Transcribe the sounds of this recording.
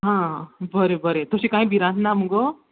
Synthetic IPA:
ɦãbʱəɾebəɾet̪osɕikãĩbʱiɾãnt̪namuɡo

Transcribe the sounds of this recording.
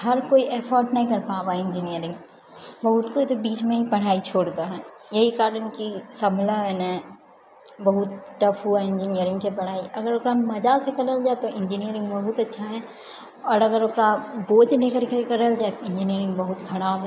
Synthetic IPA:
hɐɾkoːiʔɛːfɔːɾʈnɐɦĩkɐɾpaːbaːɪ̃ɲd͡ʒinijəɾɪ̃ŋɡ | bɐɦʊt̪koit̪obiːt͡ʃmẽɦipɐɽ̤aːit͡ʃʰoːɽd̪aɦɛː | jɐɦikaːɾənkisɐblaɦɛnɛ̃ | bɐɦʊt̪̚ʈɐfʰɦuaɪ̃ɲd͡ʒinijəɾɪ̃ŋɡkʰepɐɽ̤aːiʔɐɡəɾokɾamɐd͡ʒasekɐləld͡ʒaːet̪oʔɪ̃ɲd͡ʒinijəɾɪ̃ŋɡbɐɦʊt̪ɐtːʃʰaɦɛː | ɔːɾɐɡəɾokɾaboːd͡ʒnẽkəɾkkɐɾəld͡ʒaːeɪ̃ɲd͡ʒinijəɾɪ̃ŋɡbɐɦʊt̪kʰɐɽ̃aːbɦɛ̃ː

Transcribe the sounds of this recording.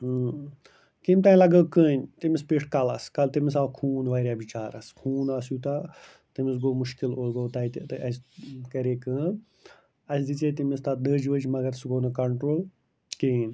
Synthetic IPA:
kimʲt̪aːilɐɡəːkəːnʲt̪imispiʈʰkɐlɐskɐlt̪imis̬aːlkʰuːnʋaːɾʲjaːbit͡ʃaːɾɐskʰuːnaːsjut̪a | t̪imis̬ɡoːmʊʃkiloːɡoːt̪ɐit̪t̪ʔɐskɐɾeːkɨː | ɐsd̪it͡seːt̪imist̪ad̪əːd͡ʒʋəd͡ʒmɐɡɐɾsɡoːnɐkɐɳʈɾoːl | keːnʲ

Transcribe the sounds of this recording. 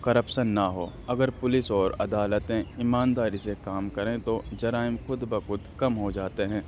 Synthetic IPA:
kɐɾəpʃənːɐɦo̰ː | ɐɡəɾpʊlɪsɔːɾɐ̰d̪aːlət̪ẽɪmaːnd̪aːɾisekaːmkɐɾẽt̪od͡ʒɐɾaːɪmxʊd̪bəxʊd̪kɐmɦod͡ʒaːt̪eɦɛ̃ː

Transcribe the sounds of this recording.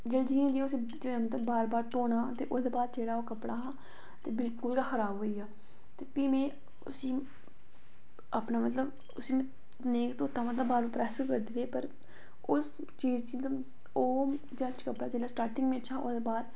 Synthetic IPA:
d͡ʒəld͡ʒiːẽːd͡ʒiʊsiː | d͡ʒmət̪ləbːaːɾbaːɾt̪oːnãːt̪eːʔoːd̪eːbaːd̪̚d͡ʒeːɽaːoːkəpɽaːɦãː | t̪eːbɪlkʊlɡaːxʰəɾaːbɦoːiːaː | t̪eːpiːmẽː | ʊ̰sĩː | apnaːmət̪ləb | ʊsiːm̃ | neːkt̪oːt̪aːmət̪ləbːaːɾbaːɾpɾɛːskəɾd̪iːɾeːpəɾ | ʊs | t͡ʃiːd͡ʒd͡ʒiːmət̪lə | oː | d͡ʒat͡ʃkəpɽaːd͡ʒeːɽaːsʈaːɾʈɪŋɡmẽːət͡ʃʰaːʔoːd̪eːbaːd̪

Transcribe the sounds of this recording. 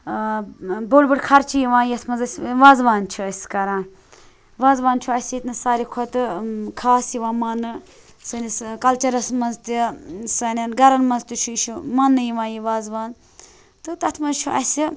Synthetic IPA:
boːɽbɨʈkʰɐɾt͡ʃʰijiʋãːjɐt̪ʰmɐnzɐsʲʋaːzʋaːnt͡ʃʰuɐsʲkɐɾãː | ʋaːzʋaːnt͡ʃʰuɐsʲit̪nɨsaːɾikʰot̪ɨkʰaːsjiʋãːmɐnɨ | sɐniskɐlt͡ʃɐɾɐsmɐnzt̪isɐnɐnɡɐɾɐnmɐnzt̪ut͡ʃʰuiʃumɐnːɨjiʋãːjiʋaːzʋaːn | t̪ɨt̪ɐt̪ʰmɐzt͡ʃʰuʔɐ̰si

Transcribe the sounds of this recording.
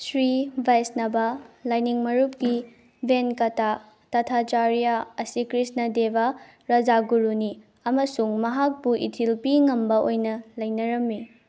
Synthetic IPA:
sɾibʱajsnɐbɐlajniŋmɐɾup̚ki | bʱenkɐta | tɐtʰat͡ʃaɾijaɐsikɾisnɐdebɐ | ɾɐd͡ʒaɡuɾuni | ɐmɐsuŋmɐɦak̚buʔḭtʰilpiŋɐmbɐʔojnɐlɐjnɐɾɐmːi

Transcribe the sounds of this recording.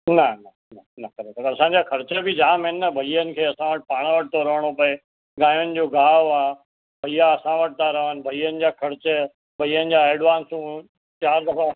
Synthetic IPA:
nɐnɐ | nɐnɐkɐɾekəɾɐsãːɲd͡ʑaːkʰɐɾt͡ɕəbɪd͡ʑaːmɦɪnːɐbʱɐijənɪ̆kʰeːɐsãʋəʈɪ̥̆paːɽ̃ʋəʈʰɪt̪ʰoɾɐʋəɽ̃opɐe | ɡãːjʊnɪ̆d͡ʑoːɡaːoaː | bʱɐijaɐsãʋəʈʰɪt̪aɾɐʋənɪ̆bʱɐiːənɪ̆d͡ʑaːkʰɐɾɪt͡ɕə | bʱɐijənɪ̆d͡ʑaːeːɖʋãːnsũ | t͡ɕaːɾd̪ɐfa

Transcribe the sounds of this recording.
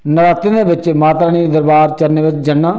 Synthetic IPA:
nəɾaːt̪ːẽːd̪eːʋɪt͡ʃmaːt̪ɾaːniːd̪əɾbaːɾt͡ʃəɾneːʋɪt͡ʃd͡ʒəɳːaː

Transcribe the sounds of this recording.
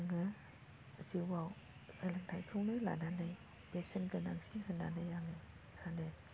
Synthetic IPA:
ŋɯ | zɯwaw | hɯlɯŋtʰajkʰɯwnɯla̰nanɯj | besenɡɯnaŋsinhɯnːa̰nɯjaŋɯ | sanɯ

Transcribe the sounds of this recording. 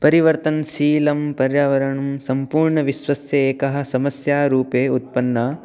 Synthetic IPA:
pɐɾiʋɐɾt̪ɐnsiːlɐmpɐɾjaːʋɐɾɐɳɐmsɐmpuːɾɳɐʋiʃʋɐsjɐeːkɐɦɐ̆sɐmɐsjaːɾuːpeːut̪̚pɐnːɐː

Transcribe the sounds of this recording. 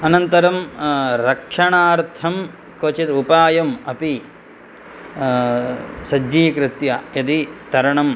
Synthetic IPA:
ɐnɐnt̪ɐɾɐmɾɐkʂɐɳaːɾt̪ʰɐm | kot͡ʃit̪upaːjɐmɐpi | sɐd͡ʒiːkɾɪt̪jɐjɐd̪it̪ɐɾɐɳɐm

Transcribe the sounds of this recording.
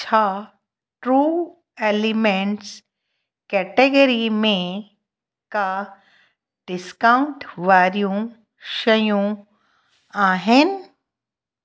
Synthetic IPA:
t͡ʃʰa | ʈɾuː | eːlimẽɳʈs | kɛːʈeɡəɾimẽ | ka | ɖɪskaʊɳʈʋaːɾjũ | ʃɐjũ | aːɦɪn

